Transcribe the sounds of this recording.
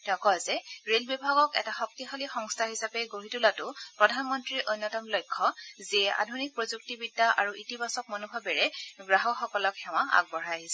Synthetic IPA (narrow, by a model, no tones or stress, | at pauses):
tɛkɔzɛɹelbibʱaɡɔkɛ̰taxɔk̚tixalixɔŋstʰaɦisapɛɡoɦitulatʊpɹɔdʱanmɔntɹiʔojnːɔtɔmlɔjkʰːɔziɛʔa̰dʱunik̚pɹozuk̚tibidːaʔa̰ɹuʔitibasɔk̚mɔnubʱabɛɹɛɡɹaɦɔxɔkɔlɔkxɛw̃aa̰ɡ̚bɔɹajaɦisɛ